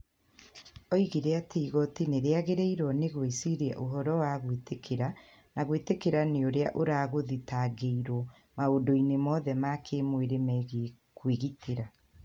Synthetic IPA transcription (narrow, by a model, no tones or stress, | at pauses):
ɔiɣiɾeateiɣɔtineɾeaɣeɾeiɾwɔneɣwesiɾeaʔoɦɔɾɔwaɣwetekʰeɾa | naɣwetekeɾaneoɾeaʔoɾaːɣoðitaɡeiɾwɔ | maodoinemɔðɛmakʰemweɾemɛɣ | kweɣitʰeɾa